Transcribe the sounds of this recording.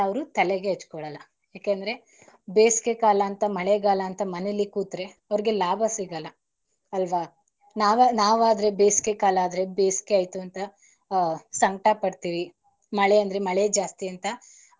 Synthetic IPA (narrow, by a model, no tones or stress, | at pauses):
ɐʋɾut̪ɐleɡeɦet͡ʃːkɔɭɐlːɐ | jaːkeːnd̪ɐɾe̞ | beːskekaːlɐːnt̪ɐmɐɭeɡaːlɐːnt̪ɐmɐnelːikuːt̪ɾe̞ɐʋɾiɡe̞laːbʱɐsiɡɐlːɐ | ɐlʋa | naːʋɐnaːʋaːd̪ɐɾe̞beːskekaːlɐaːd̪ɐɾe̞beːskeaːjt̪uɐnt̪ɐ | sɐŋɡʈɐpɐɽt̪iːʋi | mɐɭeɐnd̪ɐɾemɐɭed͡ʒaːst̪iɐnt̪ɐ